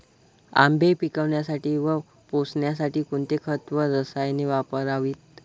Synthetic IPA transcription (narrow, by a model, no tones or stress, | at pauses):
a̰mbʱepikəʋɳjasaʈiːʋə | posɳjas̬aʈiːkuɳt̪ekʰət̪ʋəɾəsajneʋapəɾaʋiːt̪̚